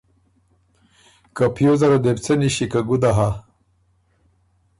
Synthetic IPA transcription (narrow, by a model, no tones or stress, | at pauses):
kapjozaɾad̪ept͡seniɕikaɡud̪aɦa